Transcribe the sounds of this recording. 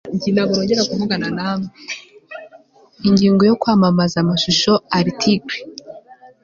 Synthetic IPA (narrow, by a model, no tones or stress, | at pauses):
iɟiːndaβuɾoːɲɟeɾakumuɡananame | iɲɟiːŋɡo̞jo̞kwaːmamazamaʃuʃo̞aɾitʰiɡwe